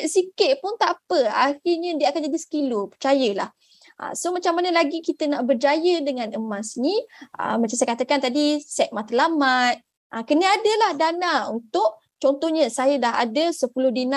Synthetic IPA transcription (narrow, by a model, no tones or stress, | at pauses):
sikɪʔ̚pʊnt̪apəaxirɲədiəakand͡ʒadisə̥kilopərt͡ʃajəla̰h | ʔə̰somat͡ʃamːanəlaɡikit̪ənaʔbərd͡ʒajədəŋãnəmãsniʔə̰mat͡ʃamsajkat̪əkant̪adisɛk̪̚mat̪əlamat̪̚ | ʔəkənəadəlahdanaunt̪ʊʔ̚ | t͡ʃɔnt̪ɔhɲəsajədaɦa̰dəsəpulʊhdina